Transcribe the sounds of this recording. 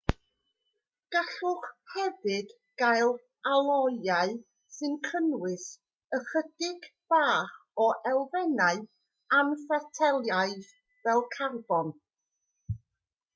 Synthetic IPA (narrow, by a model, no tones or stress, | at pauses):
ɡ̥aɬʊχhɛvɨd̥ | ɡ̥ajlˠ | alˠɔjaɨ | sɨnkʰənwɨs | əχəd̥ɪɡb̥aːχɔʔɛlˠvɛnaɨ | anfatʰɛlˠjaɨjð | vɛlˠkʰarbɔn